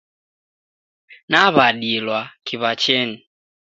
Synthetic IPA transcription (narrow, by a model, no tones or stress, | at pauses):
naβaɗilwakʰiβat͡ʃɛni